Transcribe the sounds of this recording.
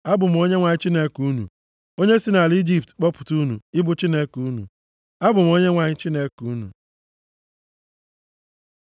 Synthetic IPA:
a˦bʊ˨m̩˨o˦ɲe˦ŋʷa˨ɲɪ˦t͡ʃi˦ne˦ku˦nṵ˨ | o˦ɲe˦si˦na˨li˦d͡ʒi˦p̚tk͡pɔ˦pʊ̥˨tu˦nṵ˨ɪ˦bʊ˨t͡ʃi˦ne˦ku˦nṵ˨ | a˦bʊ˨m̩˨o˦ɲe˦ŋʷa˨ɲɪ˦t͡ʃi˦ne˦ku˦nṵ˨

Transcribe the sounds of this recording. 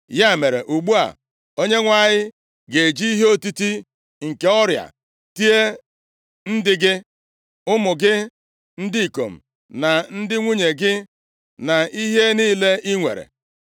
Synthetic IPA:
ja˦˨me˨ɾḛ˨ʔu˨ɡ͡bu˦a̰˨ | o˦ɲe˦ŋʷa˨ɲɪ˦ | ɡe˨d͡ʒi˦i˦ɦe˦o˦ti˦ti˦ | ŋ̩˨ke˨˦ɔ˦ɾja̰˨ | ti˦e˦ | n̩˦dɪ˦ɡɪ˦ | ʊ˦mʊ˨ɡɪ˦ | n̩˦di˦i˨ko̰˨m̩˨ | na˨n̩˦dɪ˦ŋʷu˦ɲe˨ɡɪ˦ | na˨i˦ɦe˦niː˦le˦i˦ŋʷḛ˨ɾḛ˨

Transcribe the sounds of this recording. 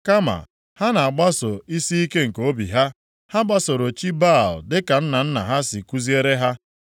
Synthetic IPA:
ka˦ma̰˨ | ha˦na˨a˨ɡ͡ba˦sʊ˨i˦si˦i˦ke˦ŋ̩˨ko˦bḭ˨ɦa˦ | ha˦ɡ͡ba˦so˨ɾo˨t͡ʃi˦ba˦˨l̩˨dɪ˦ka˨n̩˦na˨n̩˦na̰˨ɦa˦si˨ku˦zi˦e˦ɾe˦ɦa˦

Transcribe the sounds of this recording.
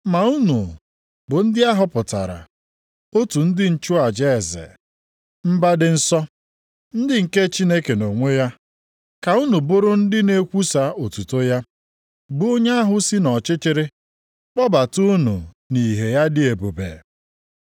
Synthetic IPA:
ma˨u˦nu˨ | bʊ˨n̩˦dɪ˦a˦ɦʊ˦pʊ˨ta̰˨ɾa̰˨ | o˦tu˨n̩˦dɪ˦n̩˦t͡ʃʊ˦a˨d͡ʒe˦˨zḛ˨ | m̩˦ba˦dɪ˦n̩˦sɔ˦ | n̩˦dɪ˦ŋ̩˨ke˦t͡ʃi˦ne˦ke˨no˨ŋʷe˦ja˦ | ka˨u˦nu˨bʊ˦ɾʊ˦n̩˦dɪ˦ne˦kʷu˦sa˦o˨tu˨to˦ja˦ | bʊ˦o˦ɲa˦a˦ɦʊ˦si˦nɔ˨t͡ʃɪ˦t͡ʃɪ˦ɾɪ˦ | k͡pɔ˦ba˨tu˦nṵ˨ | ni˨ɦe˨ja˦dɪ˦e˨bo˨bḛ˨

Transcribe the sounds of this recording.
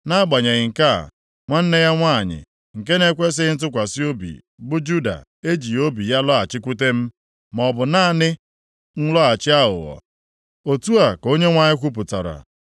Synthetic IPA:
na˦a˦ɡ͡ba˨ɲe˨ɣɪ˨ŋ̩˨ka̰˦˨ | ŋʷa˦n̩˦ne˦ja˦ŋʷa˦˨ɲɪ̰˨ | ŋ̩˨ke˦ne˦kʷe˦s̬ɪ˦n̩˦t̬ʊ˦kʷa˨si˦o˦bḭ˨ | bʊ˦d͡ʒu˦da̰˨ | e˦d͡ʒi˨o˦bi˨ja˦lɔ˦a˨t͡ʃɪ˦kʷu˦te˦m̩˦ | mɔ˨bʊ˨na˦˨nɪ˦ | n̩˦lɔ˦a˨t͡ʃɪ˦a˦ɦʊ̰˨ɔ̰˨ | o˨tu˦a˨ko˦ɲe˦ŋʷa˦ɲɪ˦kʷu˦p̬ʊ˨ta˨ɾa̰˨

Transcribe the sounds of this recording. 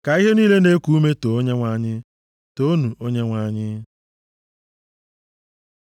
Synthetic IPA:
ka˨i˦ɦe˦niː˦le˦ne˦ku˨˦u˦me˦to˨o˦ɲe˦ŋʷa˨ɲɪ˦ | to˦nu˨ʔo˦ɲe˦ŋʷa˨ɲɪ˦

